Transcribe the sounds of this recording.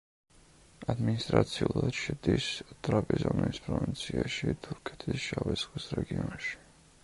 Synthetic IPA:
ad̪minist̪ʼɾat̪sʰiulˠad̪̥ʃɛd̪ist̪ʼɾapʼizɔniispʰʼɾɔvint̪sʰiaʃit̪ʰuɾkʰɛ̥t̪ʰisʃavɛt̪sχwisɾɛɡiɔnʃi̥

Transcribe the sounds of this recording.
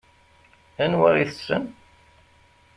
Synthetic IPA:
ænwa̰ɾiθəsːə̰n

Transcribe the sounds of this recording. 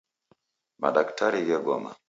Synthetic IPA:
ma̰ɗaktʰaɾiɣɛɡɔma̰

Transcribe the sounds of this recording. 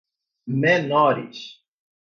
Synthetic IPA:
menɔɾḭs

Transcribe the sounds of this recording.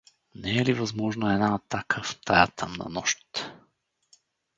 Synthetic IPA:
nɛɛlivazmɔʒnoɛnaːt̪akʰəft̪ʰajat̪ʰa̰mnɐ̰nɔʃt̪

